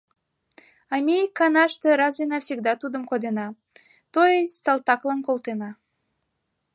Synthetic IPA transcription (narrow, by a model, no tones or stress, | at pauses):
ɑmʲekːɑnɑʃt̪eɾɑzvʲenɑfsʲiɡd̪ɑt̪ud̪ə̆mkod̪enɑ | t̪ojesʲsɑlt̪ɑklɑnkolˠt̪enɑ